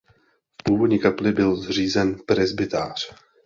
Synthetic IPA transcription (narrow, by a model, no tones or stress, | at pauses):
fpuːvo̞dɲiːkaplɪbɪlzr̝iːzɛnpɾɛzbɪt̪aːr̝̥